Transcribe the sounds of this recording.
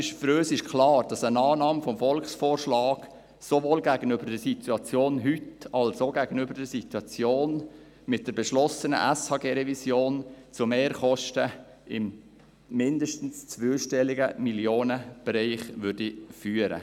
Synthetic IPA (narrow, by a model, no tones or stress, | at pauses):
ɪʃfɾøːsɪʃkʰlɑːɾd̥ɑsənɑːnɑːmfɔmfɔlksfoːrʃlɑːɡ̥ | sovoːlɡæːɡənʏbəɾdəsitʰuɑt͡sjoːnɦytɑlsoɡæɡ̥ənybəɾdəɾsituɑt͡sjoːn | mɪt̚d̥əɾbɛʃlɔsənə̰ʔɛshɑːɡeːɾɛvisjoːnt͡sʊmeːɾχɔʃtə | ɪmː | ɪndəʃtn̩st͡sʋøʃtɛlɪɡəmiljoːnəb̥ɛɾɛɪχʋʏrdifyːəɾə̰